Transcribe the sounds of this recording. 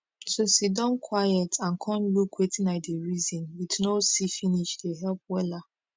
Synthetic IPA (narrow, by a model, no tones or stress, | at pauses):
sosidɔ̃nkʰwajɛtʰãnkʰɔ̃nlukwetĩnaɪdeɹizĩnwitnosifiniʃdeɦɛlp̚wɛla